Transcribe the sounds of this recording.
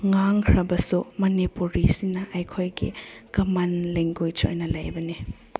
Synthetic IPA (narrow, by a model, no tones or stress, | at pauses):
ŋaŋkʰɾɐbɐsumɐnipuɾisinɐʔɐjkʰojɡḭɡ̥ɐmanleŋɡujt͡ʃo̰jnɐlajbɐni